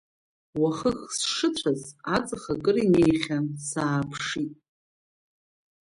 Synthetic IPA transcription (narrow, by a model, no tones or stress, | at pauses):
waχəxsʂɨtʷʰazat͡sʼɨχakʼɨrine̞jχʲasaːpʰʂitʼ